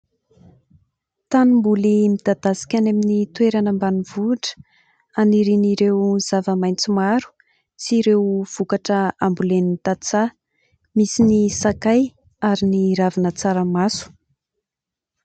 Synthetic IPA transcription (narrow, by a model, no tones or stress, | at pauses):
t̪animbulimid̪̥ad̪̥asi̥kʲaneminit̪ueɾanəmbanivuʈ͡ʂə̥ | aniɾiniɾewz̥avəmajnt͡simaɾu̥ | t͡siɾewv̥ukaʈ͡ʂəambulenint̪at͡sa | misinisakaj | aɾiniɾavinət͡saɾəmasu̥